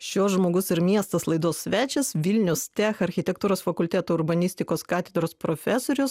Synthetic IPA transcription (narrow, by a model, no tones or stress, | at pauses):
ʃʲoːsʒmoːɡʊsɪɾmʲiɛst̪ɐslˠɐɪd̪oːsʲsʲʋʲæːt͡ʃʲɛsʋʲɪlʲnʲʊst̪ʲæxɐɾʲxʲɪt̪ʲɛkt̪uːɾoːsfɐkʊlʲt̪ʲæːt̪oːʊɾbɐnʲɪsʲt̪ʲɪkoːskɑːt̪ʲɛd̪ɾoːspɾoːfʲæsoːɾʲʊs